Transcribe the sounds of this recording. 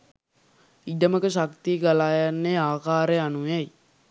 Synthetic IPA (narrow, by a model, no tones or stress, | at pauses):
iɖəməkəʃakt̪iɡalaːjanːeaːkaːɾeanuɛj